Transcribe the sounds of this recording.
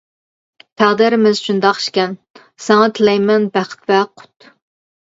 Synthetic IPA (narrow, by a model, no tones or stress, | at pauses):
pʰæʁd̪ɪɾɪmɪzʃund̪ɑqʃkʲɛn | sɛŋɑt̪ʰɪlɛjmɛnbæχə̥t̪vɛqʰʊ̥t̪